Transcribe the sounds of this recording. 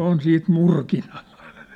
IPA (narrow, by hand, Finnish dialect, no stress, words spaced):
on siːt murkinɑ̥l̥ːɑ̥